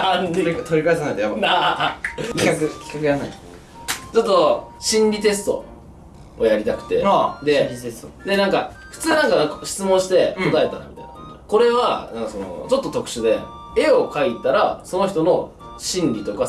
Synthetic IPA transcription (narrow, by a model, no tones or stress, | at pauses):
t̪oɾʲikaesanakit̪ojabaa | ikakɯkʲi̥kakɯ̟janaḭ | t͡ɕo̞t̪ːo̞ɕĩnɾʲit̪̬e̞sɨ̥t̪o̞̰ | ojaɾʲit̪akɯ̟̥t̪e̞d̪e̞iesod̪e̞nãŋka | ɸɯ̟̥t͡sɨːnãŋkakɕi̥t͡sɨmõɕi̥t̪e̞ko̞t̪ae̞t̪aɾmit̪a̰ina | ko̞ɾe̞βanãŋkasono̞̰t͡ɕo̞t̪ːot̪o̞kɯ̟̥ɕɨd̪e̞ | e̞o̞kait̪aɾaso̞no̞çi̥t̪o̞no | ɕĩnɾʲit̪o̞ka